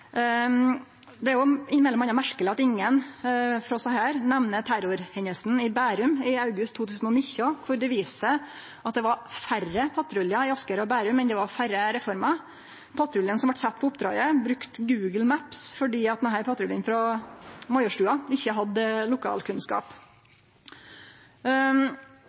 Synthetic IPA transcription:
d̪ɛæɾjʊɪnmɛlɔmɑnɑmæɾkəlɪɑt̪ɪŋːənfɾɔsɔhæːɾnɛʋnət̪ʰæɾʊɾhɛnəlsn̩ɪbæːɾʉmɪɑʉɡʉst̪ʰːuːt̪ʰʉːsn̩ɔnɪçːʊkʰʊɾd̪ɛʋiːsə | ʔɑt̪̚d̪ɛʋɑɾfærəpʰɑt̪ʰɾʉljɑɪɑskəɾɔbæːɾʉmːɛnd̪ɛʋɑɾfæɾəɾɛfɔɾmɑ | pʰɑt̪ʰɾʊlɪənsɔmʋɑʈsɛt̪ːpʰɔʊpd̪ɾɑ̰ːɡəbɾʉkt̪ɡʉːɡəl̩mæpsfɔɖiːɑt̪̚ɦæɪɾpʰɑt̪ʰɾʊljənfɾɔmɔɪɔʂʈʉːɑɪçːəɦɑd̪lʊkʰɑ̰ːlkʰʉnskɑ̰ːp

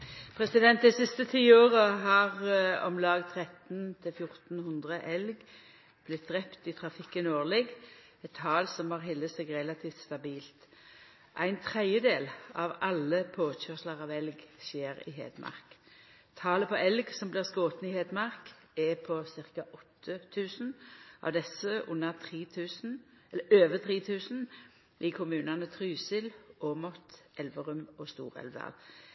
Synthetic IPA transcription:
pʰʁɛsɪd̪ɛnt̪̚d̪ɛɪsɪst̪ət̪ʰiːoːʁəɦɑʁɔmlɑːɡt̪ʰʁɛt̪nt̪ʰɪlfjʊʁt̪n̩hʉnd̪ʁəʔɛlɡ | b̥lɪt̪̚d̪ʁɛpt̪ɪt̪ʰʁɑfɪkːənoːʁlɛɡ | ɛt̪ʰːɑːlsɔmhɑʁɦɪlːəsɛːɡʁɛlɑt̪ʰiːft̪st̪ɑbiːlt̪ | ʔæɪnt̪ʰʁæɪjəd̪eːlɑʋɑlːəpʰoːçœʁsləʁɑʋɛlɡʃeːɾɪ̰ɦḛːd̪mʔɑ̰ʁk | t̪ʰɑːləpʰɔɛlɡsɔmblɪːʁskoːt̪n̩ɪheːd̪mɑʁk | ɛpʰɔsɪʁkɑʔɔt̪ʰːət̪ʰʉːsn̩ʔɑ̰ʋd̪ɛsːəʔʊ̰nːəʁt̪ʰʁiːt̪ʰʉːsn̩ | ɛlːəøːʋət̪ʰʁiːt̪ʰʉːsn̩ | ɪkʰʊmʉːnɑnət̪ʰʁyːsɪlɔːmɔt̪ʔɛlʋəʁʉmɔst̪ṵːʁɛ̰lʋd̪ɑ̰l

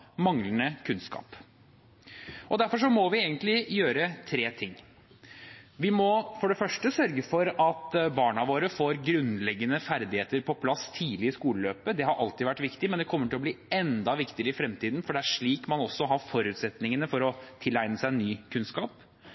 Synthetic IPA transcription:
mɑŋlənəkʰʉnskɑ̰ːp | ɔd̪æɾfɔʂɔmɔʋɪeːɡənt̪lɪjøːɾət̪ʰɾeːt̪ʰɪŋː | ʋɪmɔfɔɖɛfœʂʈəsœɾɡəfɔɾɑt̪bɑːɳɑʋoːɾəfoːɾɡɾʉnlɛɡːənəfæɾd̪ɪheːt̪əɾpʰɔpʰlɑst̪ʰiːlɪɪskuːləløːpəd̪ɛɦɑɾʔɑlt̪ɪʋæʈːʋɪkt̪ɪmɛnd̪ɛkʰɔmːəʈʰɪlɔbliːɛnd̪ɑʋɪkt̪ɪəɾəɪfɾɛmt̪iːd̪nfɔɖɛæʂɭiːkmɑnɔsːɔɦɑfɔɾʉːt̪sɛt̪nɪŋənəfɔɾɔt̪ʰɪlːæɪnəsæɪɛnːyːkʰʉnskɑːp

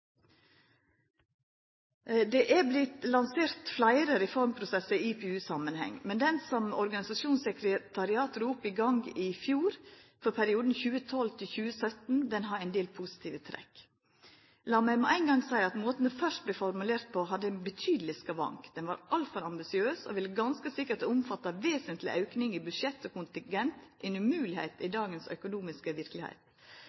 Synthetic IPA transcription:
d̪ɛʔæblɪt̪lɑnseːɾt̪flæɪɾəɾɛfɔɾmpʰɾʊsɛsəiiːpʰɛːʉːsɑmənhɛ̰ŋmɛnd̪ɛnsɔmɔɾɡɑnɪsɑʃuːnsɛkɾət̪ʰɑɾɪɑːt̪ɾuːpəɪɡɑŋɡɪfjuːɾfɔɾpʰæɾɪuːd̪n̩çʉːət̪ʰɔlt̪ʰɪlçʉːəsœt̪n̩d̪ɛnɦɑɾæɪnd̪eːlpʰʊsɪ̥t̪ʰiːʋət̪ʰɾɛ̰k | lɑːmæɪmɛʔæɪnɡɑŋsæɪɑt̪moːt̪ənəfœʂʈ̚blɛfɔɾmʉleːɾt̪̚pʰoɦɑd̪ːəɛnbət̪ʰyːd̪lɪskɑʋɑ̰ŋkd̪̥ɛnʋɑ̰ɾʔɑlt̪fɔɾɑmbɪsɪøːso̰ːʋɪlːəɡɑnskəsɪkːəʈʊmfɑt̪ːɑʋeːsənt̪lɪ̰ʔɑʉknɪŋibʉd̪ʂɛt̪ːoːkʰʊnt̪ɪŋɡɛnt̪ʔɛnʉmʉːlɪhæ̰ɪt̪ɪd̪ɑːɡənsœ̰kʊnuːmɪskəʋɪɾkəlɪhæ̰ɪt̪

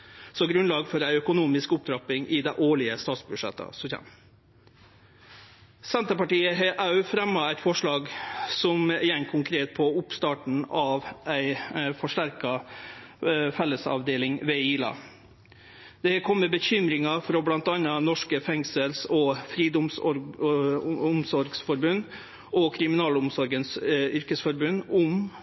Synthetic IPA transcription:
sɔɡɾʉnlɑːɡfɔɾæɪœkʊnuːmɪskʊp̚d̪ɾɑpɪŋʔɪd̪ɛʔoːɭɪəst̪ɑːt̪sbʉʂɛ̰t̪ə̰sɔçɛ̰m | sɛnt̪əpɑʈiːəɦɛʔɑʉfɾɛmːɑæɪt̪fɔʂɭɑːɡsɔmɪjɛŋkʰʊŋkʰɾeːt̪̚pʰɔʊpst̪ɑːʈɳ̩ɑʋæɪfɔʂʈæɾkɑ | fɛlːəsɑ̰ʋd̪eːlɪŋʋeiːlɑ̰ | d̪̥ɛkʰɔmːəbəçʏmɾɪŋɑfɾoːblɑnt̪ɑnːɑnɔʂkəfɛŋsəlsɔfɾiːd̪ʊms | ʊmsɔɾɡsfɔɾbʉnː | ɔkʰɾɪmɪnɑːlʊmsɔɾɡənsʏɾkəsfɔɾbʉnːʊm

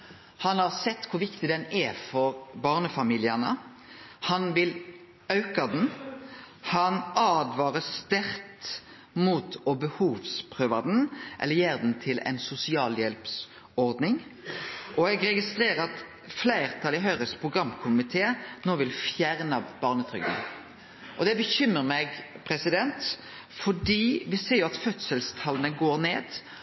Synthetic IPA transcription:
hɑnhɑʁsɛt̪ːkʰʊɾʋɪkt̪ɪd̪ɛnɛfɔɾbɑːʁnəfɑmiːlɪənə̰ | hɑnʋɪl | ɑʉkɑd̪n̩ | hɑnɑːd̪ʋɑːɾəst̪æɾt̪ | muːt̪ʰɔbəhuːʋspʰʁøːʋɑd̪n̩ʔɛ̰lːəjeːɾd̪n̩t̪ʰɪlɛ̰ɪnsʊsɪɑːljɛlps | ɔɾd̪nɪŋ | ʔɔɛɡɾɛɡɪst̪ɾeːɾəɑt̪ | flæɪʁt̪ʰɑlɪɦœʏɾəspʰʁʊɡʁɑmːkʰʊmɪt̪ʰeːnoːʋɪlfjæɾnɑb̥ɑʁnət̪ʰɾʏ̰ɡd̪̰n | ʔɔd̪ɛbəçʏmːəɾmɛɡpʰɾɛsɪd̪ɛnt̪ | fɔɖiːʋɪseːɾjʊɑt̪fœt̪səlst̪ʰɑlənəɡoːɾneːd̪̥

